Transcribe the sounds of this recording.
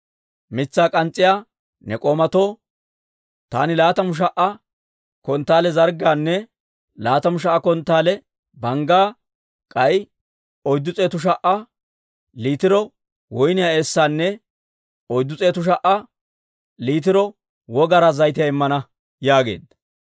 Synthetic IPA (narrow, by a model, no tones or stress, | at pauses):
mɪt͡sːaːkʼɐnt͡sʼːɪjaː | nɛkʼoːmɐt̪o̞ː | t̪a̰ːnɪlaːt̪ɐmʊʃ̬ɐʔɐ | kɔnt̪ːaːlɛzɐɾɡaːnːɛ | laːt̪ɐmʊʃ̬ɐʔːkɔnt̪ːaːlɛ | bɐŋɡaː | kʼɐj | ɔjd̪ːʊt͡sʼeːt̪ʊʃ̬ɐʔɐ | liːt̪ɪɾɔ | wɔjnɪjaesːaːnːɛ | ɔjd̪ːʊt͡sʼe̞ːt̪ʊʃ̬ɐʔɐ | liːt̪ɪɾɔ | wɔɡɐɾɐzɐjt̪ɪjaɪmːɐnɐ | jaːɡe̞̰ːd̪ɐ